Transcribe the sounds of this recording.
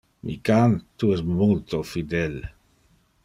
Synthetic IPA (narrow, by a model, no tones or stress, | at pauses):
mʔḭkant̪uɛsmult̪ofid̪ɛl